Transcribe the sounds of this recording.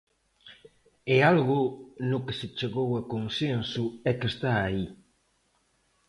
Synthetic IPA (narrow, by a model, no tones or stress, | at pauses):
ɛalɣʊnʊkɪsɪt͡ʃeɣowakonsensʊɛkest̪aːi